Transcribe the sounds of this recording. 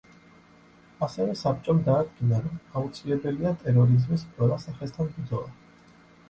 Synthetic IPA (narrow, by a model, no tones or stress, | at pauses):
asɛvɛsab̚t͡ʃʼɔmd̪aːd̪ɡinaɾɔmaut̪sʰilɛbɛliat̪ʼɛɾɔɾizmis̬qʼwɛlˠasaχɛst̪ʰanbɾd̪zɔlˠa